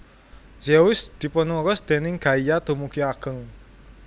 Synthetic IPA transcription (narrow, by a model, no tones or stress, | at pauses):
zeʊsd̪̥i̤pɔnuɾɔsd̪̥e̤nɪŋɡ̥a̤ijat̪ṳmukiaɡ̥əŋ